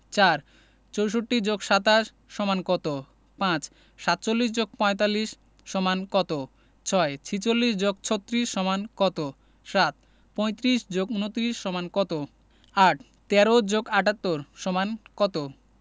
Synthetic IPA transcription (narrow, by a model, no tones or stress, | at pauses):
t͡ɕaɾ | t͡ɕowʃ̬oʈːid͡ʑoɡʃat̪aʃ | ʃɔmankɔt̪o | pãt͡ɕ | ʃat̪̚ːt͡ɕolːiʃ̬d͡ʑoɡ̚pɔ̃et̪alːiʃː | ɔmankɔt̪o | t͡ɕʰɔet͡ɕʰit͡ɕolːiʃd͡ʑoɡ̚t͡ɕʰot̪ːɾiʃːɔmankɔt̪o | ʃat̪̚ | pɔjt̪ɾiʃd͡ʑoɡunot̪ɾiʃːɔmankɔt̪o | aʈ | t̪ɛɾod͡ʑoɡaʈat̪ːoɾʃɔmankɔt̪o